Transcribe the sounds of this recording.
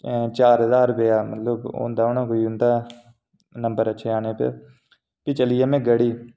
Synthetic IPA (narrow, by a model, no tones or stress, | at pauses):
t͡ʃaːɾɦəzaːɾbejaːmə̰t̪ləbʊ̰̃ːnd̪aːʊnãːkoːiːʊ̃ːnd̪aː | nəmbəɾətːʃʰeːaːneːpḛ | pɪt͡ʃəlɪjeːmɛ̃ːɡəɽiː